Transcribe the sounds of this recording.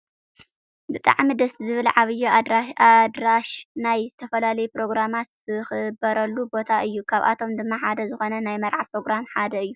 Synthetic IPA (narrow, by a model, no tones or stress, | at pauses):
bɨt̪ʼa̰ʕmid̪ɐszɨβɨlʕaβɨjuad̪ɾaʃnajzɨt̪ʰɐfɐlalɐjupɾo̞ɡɾamat̪z̥ɨxɨbɐɾɐlːubo̞t̪ʰaʔɨjːukʰaβʔa̰t̪ʰo̞md̪ɨmːaħad̪ɐzɨxo̞nɐnajmɐɾʕapɾo̞ɡɾamħad̪ɐɨjːu